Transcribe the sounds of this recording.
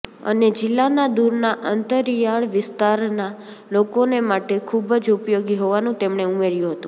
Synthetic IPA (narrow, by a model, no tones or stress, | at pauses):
ə̰ned͡ʒɪlːanad̪uɾnaʔənt̪əɾjaɭʋɪst̪aɾna | lokonemaʈekʰubəd͡ʒupjoɡiɦoʋanũt̪emɳeumeɾjũɦət̪ũ